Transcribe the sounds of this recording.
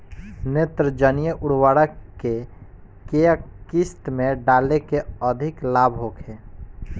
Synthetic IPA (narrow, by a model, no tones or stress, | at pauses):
net̪ɾəd͡ʒənijəʔʊɽwaːɽəke | keəkist̪mẽɖaːlekeəd̪ʱiklabʱɦokʰe